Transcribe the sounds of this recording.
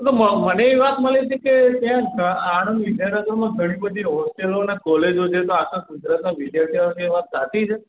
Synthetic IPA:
t̪oməməneːʋat̪məlit͡ʃʰeket̪jãkəaɽ̃nʋid̪jaɾnəɡəɾmãɡʱəɽ̃ĩbəd̪ʱiɦɔsʈelonekɔled͡ʒot͡ʃʰet̪oakʰãɡud͡ʒɾat̪naʋid̪jaɾt̪ʰiʋasieʋat̪̚d͡ʒat̪it͡ʃʰe

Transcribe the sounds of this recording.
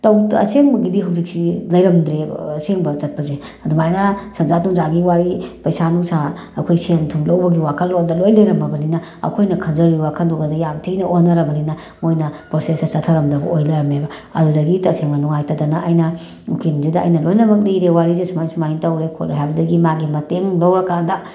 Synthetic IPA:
tɐwɐ̰seŋbɐɡidiɦɐwzik̚silɐjɾɐmd̪ɾeseŋbɐt͡ʃɐt̚pɐze | ɐdumajnɐsɐnzatuŋzaɡiwaɾipɐjsanuŋsa | ɐkʰojsentʰumlɐwbɐɡiwakʰɐlːodɐlojlɐjɾɐmbɐbɐninɐɐ̰kʰojnɐkʰɐnzɐɾɡiβakʰɐndoɡɐdɐjamtʰejnɐʔonɐɾɐbɐninɐ | mojnɐpɾosesɐsɐtʰɐɾɐmdɐbɐʔojlɐɾɐmebɐɐ̰dudɐɡitɐseŋmɐnuŋajtɐdɐnɐʔajnɐ | ukenzedɐ̰ːjnɐlojnɐbɐk̬̚lijɾewaɾizesumajsumajintɐwɾekʰo̰lḛɦajbɐdɐɡimaɡimɐteŋlɐwɾɐkandɐ

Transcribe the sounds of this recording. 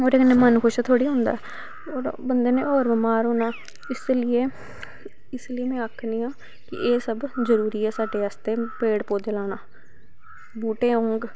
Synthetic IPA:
oːɾekneːmənkʰʊʃt̪ʰoːɽiːɦʊ̃ːnd̪a̰ːɛ | oːɾbənd̪eːneːoːɾbəmaːɾoːnaː | ɪslɪeː | ɪslɪeːmɛ̃ːəkʰnĩːãː | kɪ̰ʔeːsəbzəɾuːɾiːɛːsaːɖeːaːst̪eːpeːɽpoːd̪eːlaːnaː | buːʈeːɦõːŋɡ

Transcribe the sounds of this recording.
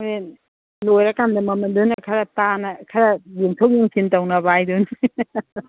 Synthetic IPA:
e | lojɾakandɯmamɯndɯnːɐkʰaɾatanakʰaɾajiŋtʰowjiŋsʰintawnabajdɯn

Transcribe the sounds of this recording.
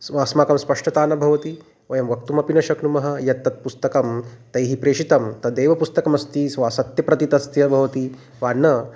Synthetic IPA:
sʋaːsmaːkɐmspɐʂʈɐt̪aːnɐbʱɐʋɐt̪i | ʋɐjɐmʋɐk̚t̪umɐpinɐʃɐknumɐɦɐ̆jɐt̪ːɐt̪̚pust̪ɐkɐmt̪ɐjɦipɾeːʂit̪ɐmt̪ɐd̪eːʋɐpust̪ɐkɐmɐst̪isʋaːsɐt̪jɐpɾɐt̪it̪ɐst̪jɐbʱɐʋɐt̪i | ʋaːnːɐ

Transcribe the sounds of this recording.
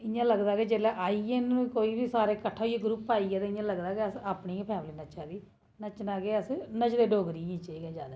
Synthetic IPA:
ɪɲãːləɡd̪aːked͡ʒeːlɛːʔaːiːeñkoːiːbiːsaːɾeːkəʈʰːaːɦoijeːɡɾuːpaːiɛːt̪eɪ̃ãːləɡd̪aːkeəsaːpniːpʰɛːmliːnət͡ʃaːd̪iː | nət͡ʃnaːɡeːəsnət͡ʃd̪eːɖoːɡɾiːĩːt͡ʃəiɡɛːd͡ʒaːd̪eː

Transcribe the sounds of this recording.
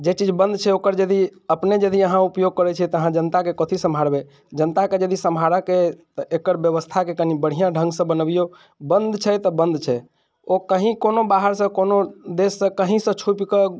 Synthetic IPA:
d͡ʒet͡ʃid͡ʒbənd̪t͡ʃʰɛokəɾd͡ʒəd̪iəpned͡ʒəd̪iəɦãupjoɡ̚kəɾɛt͡ʃʰɛt̪ɔəɦãd͡ʒənt̪akekɔt̪ʰisəmbʱaɾbɛ | d͡ʒənt̪aked͡ʒəd̪isəmʱaɾəket̪ʔekəɾbjəβəst̪ʰakekənibəɽ̤ijãɖʱə̃ŋɡsə̃bənəbijo | bənd̪t͡ʃʰɛt̪ɔbənd̪t͡ʃʰɛ | okəɦĩkonobaɦəɾsə̃konod̪esːə̃kəɦĩsə̃t͡ʃʰupkə

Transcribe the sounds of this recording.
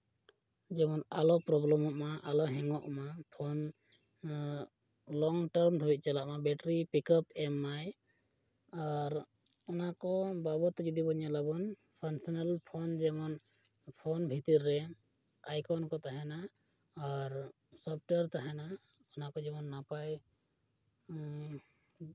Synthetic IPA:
d͡ʒɛmɔnalɔpɾɔblɔmɔʔmaʔalɔɦɛŋɔʔmapʰɔn | lɔŋʈəɾmd̪ʰʱɔbit̪̚t͡ʃalaʔmabɛʈɾipikɔpɛmːaj | aɾ | ɔnakɔbabɔt̪d͡ʒud̪ibɔɲalabɔn | pʰansɔnalpʰɔnd͡ʒɛmɔn | pʰɔnbʱit̪iɾːɛ | ajkʰɔnkɔt̪aɦɛnaː | ɾ | sɔp̚ʰʈeɾt̪aɦɛnaɔnakɔd͡ʒɛmɔnːapaj

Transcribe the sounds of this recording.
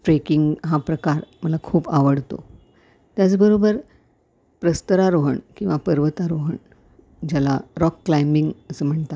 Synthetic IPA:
ʈɾekiŋɡɦapɾəkaɾməlakʰuːpaʋəɽt̪o̰ | t̪jat͡sbəɾobəɾ | pɾəst̪əɾaɾoɦəɳkĩw̃ʋapəɾʋət̪aɾoɦəɳ | d͡ʑalaɾɔkːlajmiŋɡəsəm̤əɳt̪a

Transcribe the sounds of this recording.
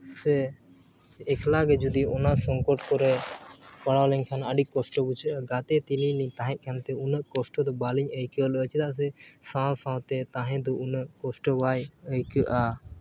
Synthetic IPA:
sɛ | ɛkʰlaɡɛd͡ʒud̪iɔnasɔŋkɔʈkɔɾɛpəɽawlɛɲkʰanəɖikɔsʈɔbut͡ʃʰəʔɡat̪ɛt̪ililiɲt̪ãɦɛ̃ʔ̪̚kʰant̪ɛunəʔkɔsʈɔd̪ɔbaliɲəjkələt͡ʃʰt̪aʔs̬ɛsãwsãwt̪ɛt̪ãɦɛ̃d̪ɔunəʔkɔsʈɔbajəjkəʔa

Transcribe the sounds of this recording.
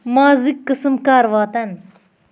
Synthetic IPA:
maːzikːɨsɨmkaːɾʋaːt̪ɐn

